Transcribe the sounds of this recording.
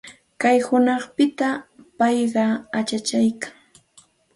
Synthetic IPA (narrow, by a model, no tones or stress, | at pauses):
kajhʊnɑχpɪt̪apɑjɢɑat͡ʃat͡ʃajkaŋ